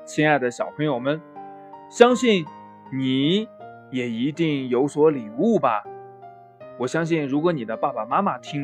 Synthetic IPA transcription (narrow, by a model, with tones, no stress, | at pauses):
t͡ɕʰɛ˥na˥˩ɪd̪ə˩ɕjɑ˨˩ʊpʰɤ˧˥ŋjo˨˩ʊmə˦n | ɕjɑ˥ŋɕi˥˩n | ni˨˩˦ | jɛ˨˩i˧˥t̪i˥˩ŋjo˧˥ʊswɔ˧˥li˨˩u˥˩bɐ˨˩ | wɔ˨˩ɕjɑ˥ŋɕ̬i˥˩nɻu˧˥k̬wɔ˧˥ni˨˩d̪ə˦pa˥˩pa˨˩ma˥ma˨t̪ʰi˥ŋ